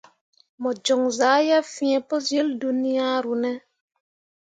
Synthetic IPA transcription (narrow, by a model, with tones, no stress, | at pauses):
mɔ˨d͡ʒɔ˨ŋzaː˨˦ja˦fĩ˦ɛ˨pɔ˦s̬je˦ldu˦ni˦ja˦ɾu˨nɛ˦